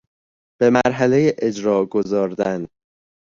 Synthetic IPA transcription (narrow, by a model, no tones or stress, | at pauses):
b̥e̞mæɾɦælejeʔed͡ʒɾɒːɡozɒːɾd̪æn